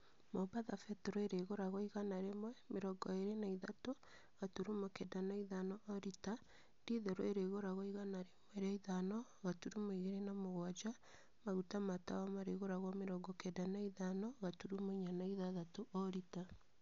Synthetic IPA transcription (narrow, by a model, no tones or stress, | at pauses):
mobaðafɛtɛɾɔeɾeɣoɾaɣoiɣanaɾemwɛmeɾɔɡɔeɾenaiðato | ɣatuɾumokɛdanaiðanɔʔːɾita | ndiðɛɾɔeɾeɣoɾaɣoiɣanaɾemwɛɾeaiðanɔ | ɣatuɾumoiɣeɾenamoɣwad͡ʒa | maɣutamatawamaɾeɣoɾaɣwɔmeɾɔɡɔkɛdanaiðanɔɣatuɾumoɲanaiðaðatoɔɾita